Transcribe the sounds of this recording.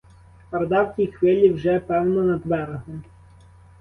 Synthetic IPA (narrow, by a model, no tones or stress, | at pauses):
pɐɾd̪ɑwkʲijxʋɪlʲiwʒɛpɛwnɔnɐd̪ʋɛɾɦɔ